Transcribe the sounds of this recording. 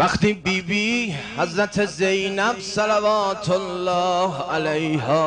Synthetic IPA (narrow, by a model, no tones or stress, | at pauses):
væχt̪iːbiːbiːhæzɾæt̪ʰe̞zejnæbsælævɒːt̪ʰolːɒːhʔælejɦɒː